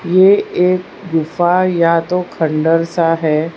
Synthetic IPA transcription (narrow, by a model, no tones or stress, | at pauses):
jeeːk̚ | ɡʊfajat̪okʰəɳɖəɾsaɦɛː